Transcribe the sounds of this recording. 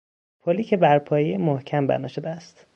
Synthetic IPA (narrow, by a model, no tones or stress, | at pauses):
pʰoliːcʰʲebæɾpʰɒːjejmohcʰæmbæ̰nɒ̰ːʃod̪eæst̪